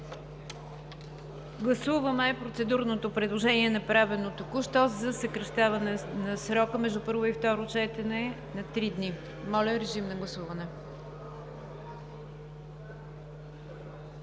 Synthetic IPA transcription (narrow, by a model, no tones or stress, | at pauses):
ɡlˠɐsuvəmɛːpɾot̪sɛd̪uɾnot̪opɾɛd̪lˠoʒɛniɛnɐpɾavɛnot̪okuʃt̪ɔzɐsəkɾɐʃt̪avɐnɛnɐsɾɔkəmɛʒd̪upɤɾvoift̪ɔɾot͡ʃɛt̪ɛnɛ | nɐt̪ɾid̪ni | mɔlʲəɾɛʒimnɐɡlˠɐsuvɐnɛ